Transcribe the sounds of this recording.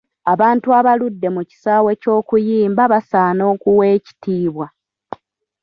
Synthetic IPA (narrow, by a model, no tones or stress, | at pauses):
aβaːntuaβaludːe̞muci̥saːwe̞co̞ːkujiːmbaβasaːno̞ːkuwe̞ːci̥tiːβwa